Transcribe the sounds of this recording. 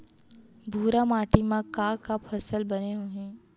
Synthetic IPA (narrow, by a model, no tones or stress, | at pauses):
bʱuːɾamaːʈimãkaːkapʰɐsəlbɐneɦoɦẽː